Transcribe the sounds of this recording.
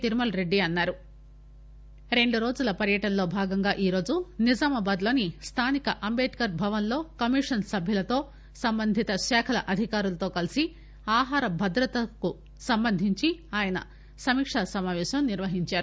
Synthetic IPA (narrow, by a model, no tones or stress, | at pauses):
t̪iɾumɐlɾe̞ɖːiɐnːaːɾu | ɾe̞ɳɖuɾo̞ːd͡ʒulɐpɐɾjɐʈɐnlo̞ːbʱaːɡɐŋɡaːʔiːɾo̞ːd͡ʒunid͡ʒaːmɐbaːd̪lo̞ːnist̪ʰaːnikɐʔɐmbeːʈkɐɾbʱɐʋɐnlo̞ːkɐmiːʂɐnsɐbʱjɐlɐt̪o̞ː | sɐmbɐnd̪ʱit̪ɐʃɛːkʰɐlɐ̰ʔɐd̪ʱikaːɾulɐt̪o̞ːkɐlisi | aːɦaːɾɐbʱɐd̪ɾɐt̪ɐku | sɐmbɐnd̪ʱiɲt͡ʃiaːjɐnɐ̰ | sɐmiːkʂasɐmaːʋɛːʃɐmniɾʋɐɦiɲt͡ʃaːɾu